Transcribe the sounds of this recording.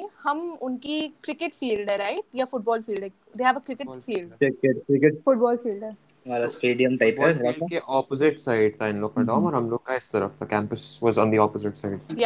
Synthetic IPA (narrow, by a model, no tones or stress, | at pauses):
hɐmʊnkikɾɪkɪʈfiːlɖɛɾaɪʈ̚jafʊʈ̚bɔːlfiːlɖɛ | d̪eːɦɛːʋəkɾɪkɪʈfiːlɖɪkeʈkɾɪkeʈfʊʈ̚bɔːlfiːlɖɛ | maːɾasʈeːɖiə̃mʈaɪpːakeʔɔːpozɪʈsaɪɖt̪ʰaɪ̃nloːɡ̚kːɐɖãːmɔːɾɦɐmloːɡ̚kaɪst̪ɐɾə̰ft̪ʰakɛ̃ːmpəsʋɔːzɔ̃ːnd̪iɔːpozɪʈsaɪɖ̪̚ʰaja